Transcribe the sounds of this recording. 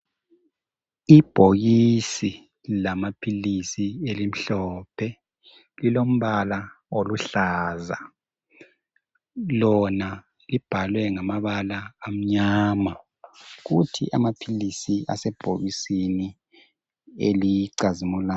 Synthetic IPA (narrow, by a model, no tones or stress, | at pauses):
ib̥ʱoɣisi | lamapʰilisielim̩ɬɔːpʰɛ | lilom̩βala | oluɬaːza̰ | lɔna | lib̥ʱalwɛŋamaβalaːm̩ɲaːma | ɣutʰḭʔa̰mapʰilisiʔa̰sɛb̥ʱoɣisini | ḛliǀazimulaː